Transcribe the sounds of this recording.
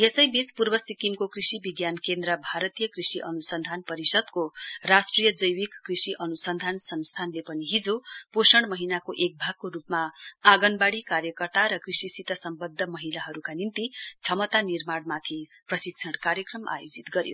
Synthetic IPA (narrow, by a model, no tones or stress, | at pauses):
jesʌjbespurbʌsikimkokrisibiɡjankend̪rʌbʱaɾʌt̪ijʌkrisiʔʌnusʌnd̪ʱanpʌɾisʌd̪korasʈrijʌd͡zʌjwikkrisiʔʌnusʌnd̪ʱansʌnst̪ʰanlepʌniɦid͡zoposʌɽmʌɦinakoʔek̚bʱaɡ̚koɾupmaːɡʌnbaɽikaɾjʌkʌrt̪aɾʌkrisisit̪ʌsʌmbʌd̪ʱːʌmʌɦilaɦʌɾukanint̪it͡sʰʌmʌt̪anirmaɽmat̪ʰi | prʌsik̚t͡sʰʌɽkaɾjʌkrʌmʔa̰jod͡zit̪ɡʌɾjo̰